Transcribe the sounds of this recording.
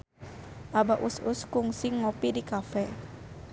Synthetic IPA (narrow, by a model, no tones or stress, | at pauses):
ʔabaʔusʊskuŋsiŋopidikafɛ